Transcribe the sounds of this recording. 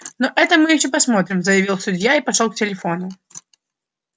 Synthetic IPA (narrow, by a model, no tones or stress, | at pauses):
noʔɛt̪əmɨjɪɕːopɐsmo̞t̪ɾʲɪmzəjɪvʲilˠsʊdʲjaipɐʂolˠk̚tʲɪlʲɪfo̞nʊ